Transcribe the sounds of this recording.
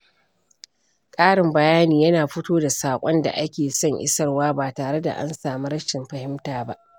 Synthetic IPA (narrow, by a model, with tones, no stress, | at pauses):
kʼaː˦ɽɪ˨mbɐ˨jaː˦niː˨jɐ˦naː˨ɸʊ˦toː˦da˨saː˨kʷʼɔ˦nda̰˨ʔa˦kʲeː˨sɔ˦˨ŋʔɪ̰˦sɐ˦rwaː˦baː˨taː˨ɽe˦da̰˨ʔa̰˦nsaː˨mu˦ɾɐ˦ʃɪ˨mɸɐ˨hɪ˦mtaː˨ba˦ʔ